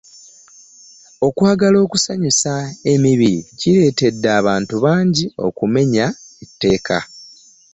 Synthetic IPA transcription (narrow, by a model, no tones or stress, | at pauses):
o̞kwaːɡalo̞ːkusaɲisae̞miβiɾḭciɾe̞ːte̞dːaːβaːntuβaːɲɟio̞̰kume̞ɲaetːe̞ːkʰa̰